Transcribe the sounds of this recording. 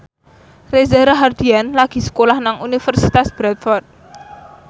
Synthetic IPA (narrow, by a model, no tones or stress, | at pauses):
rezaɾaɦard̪̥ianlaɡ̥i̤sə̥kolahnaŋunifərsit̪asb̥ɾat̪̚fɔrt̪̚